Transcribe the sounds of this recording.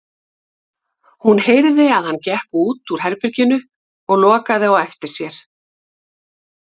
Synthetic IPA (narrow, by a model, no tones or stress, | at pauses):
hunheːjɾðɪaðhanːcɛhkuːt̪uɾ̥ɦɛɾpɪɾcɪnʏ | ɔɣl̪ɔːkaðɪawɛft̪ɪɾ̥sjɛɾ̥